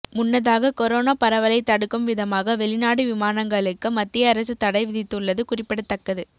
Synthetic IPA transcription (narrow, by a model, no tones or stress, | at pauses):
mʊnːɐðaːɣɐkɔɾoːnaːpɐɾɐʋɐlɐɪt̪ːɐɽɯkːɯmʋɪðɐmaːɣɐʋɛɭɪnaːɽɯʋɪmaːnɐŋɡɐɭɯkːɯmɐt̪ːɪjɐːɾɐs̬ɯt̪ɐɽɐɪʋɪðɪt̪ːɯɭːɐðɯkʊrɪpːɪɽɐt̪ːɐkːɐðɯ